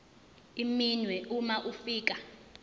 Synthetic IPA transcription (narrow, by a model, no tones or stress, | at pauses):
iminwɛumaʔufiːk̬a